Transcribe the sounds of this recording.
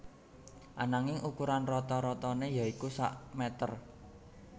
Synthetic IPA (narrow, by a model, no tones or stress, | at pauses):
ʔanaŋɪŋʔukuɾanrɔt̪ɔɾɔt̪ɔnejaikusa̰ʔmɛt̪ə̰r